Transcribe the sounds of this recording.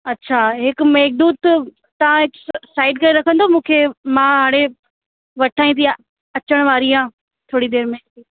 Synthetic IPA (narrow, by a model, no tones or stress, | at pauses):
ɐtːɕʰaɦɪkmeɦɪk̚d̪uːt̪ | t̪ɐʋãɪksaːɪɖkɐɾeɾɐkʰə̃nd̪omũːkʰeːmãːɦaːɽ̃e | ʋɐʈʰaːĩnt̪i | ɐt͡ɕəɽ̃ʋaːɾiãː | t̪ʰoːɽid̪eːɾmek̚d̪iː